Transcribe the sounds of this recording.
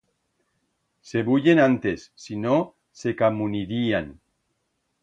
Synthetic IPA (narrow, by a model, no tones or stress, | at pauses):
se̞βuʎenant̪esːino | sekamuniɾian